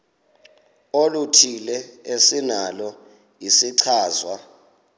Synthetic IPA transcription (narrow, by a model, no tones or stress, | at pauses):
olutʰilɛesinalɔ | jisiǀʰaːzwa